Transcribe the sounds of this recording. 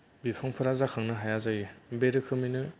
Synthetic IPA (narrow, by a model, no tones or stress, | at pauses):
bipʰaŋpʰɯɾazakʰaŋnɯɦajazajibeɾɯkʰɯminɯ